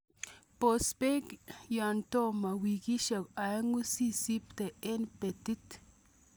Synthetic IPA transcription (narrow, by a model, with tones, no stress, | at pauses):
pospekjant̪o˦ma˨wiɡi˦ʃa˨kaŋu˦si˦si˦pt̪e˨enpe˨t̪i˦t̪